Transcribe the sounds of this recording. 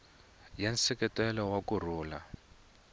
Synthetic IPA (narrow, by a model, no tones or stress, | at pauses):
jansɛkɛtɛlɔwakur̤uːla